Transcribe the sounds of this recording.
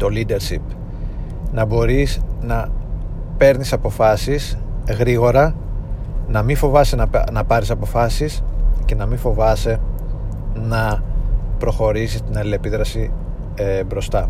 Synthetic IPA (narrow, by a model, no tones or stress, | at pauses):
t̪o̞lid̪e̞ɾʃip | nɐbo̞ɾisnɐ | pe̞ɾnisɐpo̞fɐsisɣɾiɣo̞ɾɐ | nɐmifo̞vɐsenɐnɐpɐɾisɐpo̞fɐsisce̞nɐmiɱfo̞vɐse | nɐ | pɾo̞xo̞ɾisist̪inɐle̞piðɾɐsi | ebɾo̞st̪ɐ